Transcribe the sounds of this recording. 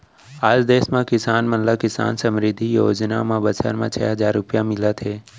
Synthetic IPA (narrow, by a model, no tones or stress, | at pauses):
aːd͡ʒd̪eːsmãkɪsaːnmənlakɪsa̰ːnsəmɾɪd̪ʱːijoːd͡ʒna̰mãbət͡ʃʰə̰ɾmã̰t͡ʃʰɛɦəd͡ʒaːɾːʊpjamɪlət̪ʰeː